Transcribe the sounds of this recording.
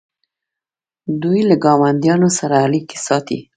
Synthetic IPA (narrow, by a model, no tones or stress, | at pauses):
d̪ujlaɡɑmand̪jɑnosaɾaːlike̥sɑt̪ḭ